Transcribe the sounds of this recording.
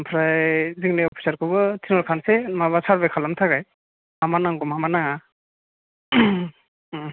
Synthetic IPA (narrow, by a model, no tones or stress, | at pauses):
mpʰɾajziŋnɛɔpʰi̥saɾkʰɔbɔtʰinɔɾkʰansɛmaβasaɹbɛkʰalamtʰakaj | amanaŋɡɔmɦamanaŋa